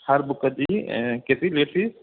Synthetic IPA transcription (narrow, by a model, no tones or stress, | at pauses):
hɐɾbʊkəd͡ʒiket̪ileːʈʰis